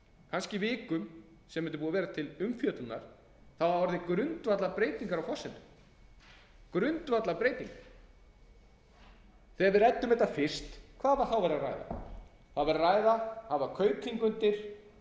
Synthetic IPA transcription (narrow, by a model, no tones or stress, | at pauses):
kʰanscɪvɪːkʏm | sɛmːɛnt̪ʏp̬uːavɛːɾat̪ʰɪlʏmfjœːt̪ʏna̰ɾ̥ | θawaɔɾðɪkɾʏnt̪vat̪lapɾeːjt̪iŋkaɾawfɔsːɛnʏ | kɾʏnt̪vat̪lapɾeːjt̪iŋka | θɛavɪɾɛt̪ːʏmɛt̪ːafɪr̥st̪kʰvaːvḁθawvɛɾara̰jða̰ | θaðvɛɾaraːjðahavaɾkʰœːɥkʰiŋkʏnt̪ɪɾ̥